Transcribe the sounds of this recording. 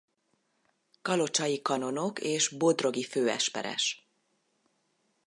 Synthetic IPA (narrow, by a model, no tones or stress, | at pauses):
kɒlo̞t͡ʃɒjikɒno̞no̞keːʒbo̞d̪ro̞ɡiføːɛ̰ʃpɛ̰ɾɛ̰ʃ